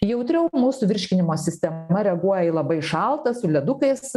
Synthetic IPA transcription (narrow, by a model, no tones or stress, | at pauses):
jɛʊt̪ʲɾʲɛʊmuːsʊʋʲɪɾʲʃʲkʲɪnʲɪmoːsʲɪsʲt̪ʲɛmɐɾʲɛɐɡuɔjɛilˠɐbɐɪʃɐlˠt̪ɐsʊlʲɛd̪ʊkɐɪs